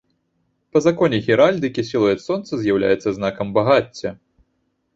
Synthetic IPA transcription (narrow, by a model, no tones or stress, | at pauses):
pɐzakɔnʲɛɣʲiɾalʲd̪ɨkʲisʲilˠɐjɛt̪sɔnt̪sɐzʲjawlʲa̰jɛt̪sːɐznakɐmbaɣat͡sʲːɐ